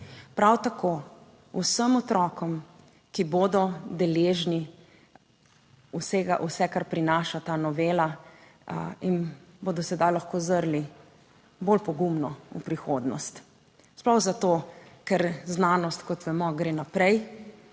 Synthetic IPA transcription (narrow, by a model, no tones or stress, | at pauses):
pɾawt̪ako | ṵsəmɔt̪ɾɔːkɔm | kibod̪ɔd̪ɛleːʒni | useɡa̰ʔusɛkaɾpɾinaːʃat̪aːnɔʋeːla | inbod̪ɔsɛd̪ajlaxkoːzəɾli | bolpɔɡumnɔṵpɾixoːd̪nɔ̰st̪ | splɔwzat̪okɛɾznaːnɔst̪kɔt̪ʋɛmɔɡɾeːnapɾɛj